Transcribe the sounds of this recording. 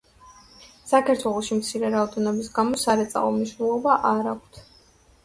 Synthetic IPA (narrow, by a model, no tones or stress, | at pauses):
sakʰaɾt̪ʰwɛlˠɔʃimt̪sʰiɾɛɾaɔd̪ɛnɔbisɡamɔsaɾɛt̪sʼa̰vɔmniʃwnɛlˠɔbaʔaɾakʷʰt̪ʰ